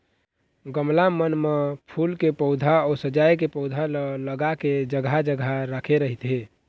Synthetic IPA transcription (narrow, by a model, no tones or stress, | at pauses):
ɡəmlamənmepʰulkepəʊd̪ʱaɔɾsəd͡ʒajkepɔʊd̪ʱalələɡaked͡ʒəɡʱad͡ʒəɡʱaɾakʰeɾəɦit̪ɦe